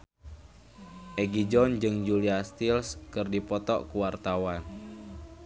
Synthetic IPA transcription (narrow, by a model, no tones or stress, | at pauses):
ʔɛɡid͡ʒɔnd͡ʒɨŋd͡ʒuliast̪ilskɨrdipɔt̪ɔ̰ʔkuwart̪awan